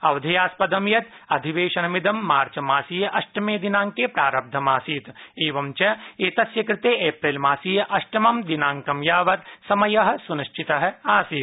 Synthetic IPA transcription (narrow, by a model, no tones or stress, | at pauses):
ɐʋd̪ʱɐjaːspɐd̪ɐmjɐt̪ɐd̪ʱiʋeːʃɐnɐmid̪ɐmːaːɾt͡ʃɐmaːsiːjɐʔɐʃʈɐmeːd̪inaːŋkepɾaːɾɐb̚d̪ʱɐmaːsiːt̪eːʋɐmt͡ʃɐeːt̪ɐsjɐkɾɪt̪eːʔeːpɾeːlmaːsiːjɐʔɐʃʈɐmɐmd̪inaːŋkɐmjaːʋɐɾsɐmɐjɐɦɐ̆suniʃt͡ʃʰit̪ɐɦɐaːsiːt̪